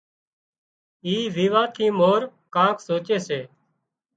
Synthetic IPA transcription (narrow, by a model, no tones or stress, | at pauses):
iːʋiːʋãːt̪ʰiːmoːɾkãːksoːt͡ʃeːseː